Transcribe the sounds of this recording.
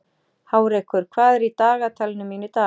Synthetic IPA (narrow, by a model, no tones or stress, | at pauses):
haːwɾɛjhkʏɾ̥kʰvaːðɛɾit̪aːɣat̪ʰaːlɪnʏmiːnʏt̪aː